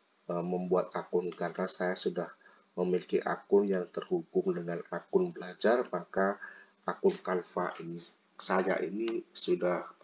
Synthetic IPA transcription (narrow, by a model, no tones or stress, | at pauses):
əməmbuat̪̚akʊnkanfasajasudah | məmilikiʔa̰kʊnjaŋt̪ərhuɡʊŋdəŋanakʊnbəlad͡ʒarmaka | akʊnkanfa̰ʔini | saja̰ʔinisudah